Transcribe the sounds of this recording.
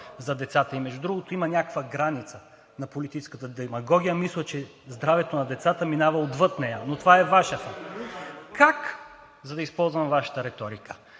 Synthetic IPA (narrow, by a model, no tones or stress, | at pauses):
zɐd̪ɛt̪sat̪əimɛʒud̪ɾuɡot̪oimɐnʲakkvəɡɾanit̪sə | nɐpolit̪it͡ʃɛ̥skət̪əd̪ɛmɐɡɔɡʲijəmislˠət͡ʃɛ | zd̪ɾavɛt̪onɐd̪ɛt̪sat̪əminavɐod̪vɤt̪nɛjənot̪ovaɛvaʃət̪ə | kak | zɐd̪ɐispɔlˠzvɐmvaʃɐ̥t̪əɾɛt̪ɔɾikʰə̥